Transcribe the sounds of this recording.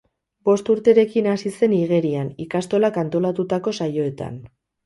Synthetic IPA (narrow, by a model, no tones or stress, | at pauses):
bo̞st̪uɾt̪e̞ɾe̞kinasise̞niɣ̞e̞ɾianikast̪o̞lakant̪o̞lat̪ut̪ako̞sajo̞e̞t̪a̰n